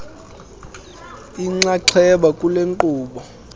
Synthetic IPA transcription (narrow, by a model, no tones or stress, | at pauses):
iŋ͡ǀaǀʰɛɓakʼuleŋǃuːɓɔ